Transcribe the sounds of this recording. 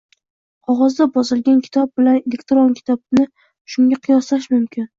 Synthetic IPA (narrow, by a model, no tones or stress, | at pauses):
qʰɒʁɒzd̪abɒzɪlˠɡʲankʲʰɪ̥t̪ʰɒb̚bɪlanelʲekt̪ɾonkʲʰɪ̥t̪ʰɒbnɪ | ʃʊŋɡʲaqʰɨjɒslaʃmʊmkʲʰɪn